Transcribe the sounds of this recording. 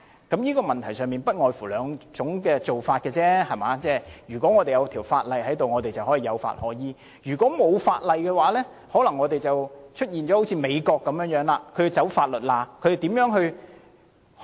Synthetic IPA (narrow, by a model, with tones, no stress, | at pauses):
kɐ˨˥mjiː˥kɔː˧mɐ˨nt̪ʰɐ˨˩jsœː˨˩ŋmiː˨npɐ˥t̚ŋɔː˨jfuː˨˩lœː˨˧ŋt͡sʊ˨˥ŋkɛː˧t͡so˨˩wfaː˧t̚kɛː˧t͡sɛː˥hɐ˨jmaː˨˥t͡sɛː˥jyː˨˩kʷɔː˨˥ŋɔː˨˧e˨jɐ˨˧wt̪ʰiː˨˩wfaː˧t̚lɐ˨jhɐ˨˥jt̪o˨wŋɔː˨˧te˨jt͡sɐ˨whɔː˨˥jiː˨˧jɐ˨˧wfa̰ː˧t̚hɔː˨˥jiː˨˧ | jyː˨˩kʷɔː˨˥mo˨˧wfa̰ː˧t̚lɐ˨jkɛː˧waː˨˥lɛː˥ | hɔː˨˥lɐ˨˩ŋːɔː˨˧t̪e˨jt͡sɐ˨wt͡ʃʰɵ˥t̚jiː˨nt͡ɕɔ˨˥ho˨˥wt͡sʰiː˧me˨˧jkɔː˧kːɐ˨˥mjœː˨˥ŋjœː˨˥ŋlaː˧kʰɵ˨˧jt͡sɐ˨˥wfaː˧t̚lɵ˨˩t̚laː˧kʰɵ˨˧te˨˩t̪iː˨˥mjœː˨˥ŋɦɵ˧ɥ